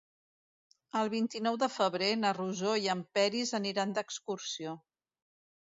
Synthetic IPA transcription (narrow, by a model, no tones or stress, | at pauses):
əlˠβ̞int̪inɔwðəfəβɾenəruzoiəmpɛɾizəniɾand̪əkskursio